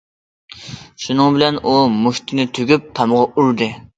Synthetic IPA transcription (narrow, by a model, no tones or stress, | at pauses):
ʃunɨŋbɪlɛnʔumuht̪ʰɪnɪt̪ʰøɡʲyp̚t̪ʰɑmʁɑʔuɾd̪ɨ